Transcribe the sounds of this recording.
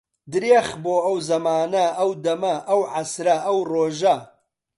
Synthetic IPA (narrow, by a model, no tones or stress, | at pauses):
d̪ɨɾeːχboːɐwzɐmaːnɐɐwd̪ɐmɐʔɐwʕasɾɐʔɐwroːʒɐ